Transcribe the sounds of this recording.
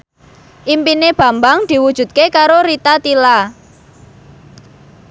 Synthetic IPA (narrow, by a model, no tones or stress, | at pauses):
ʔimpineb̥ä̤mbaŋd̪̥i̤wud̥ʒ̥ṳt̪̚kekaɾoɾit̪at̪ila